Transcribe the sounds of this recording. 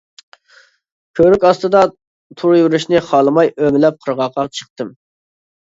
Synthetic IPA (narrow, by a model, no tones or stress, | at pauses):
kʲʰøɾykʲɑst̪ɨd̪ɑ | t̪ʰuɾjyɾyʃnɪχɑlˠɨmɑjʔømɪlɛp̚qʰəɾʁɑqʰɑt͡ʃʰə̥χ̚t̪ɨm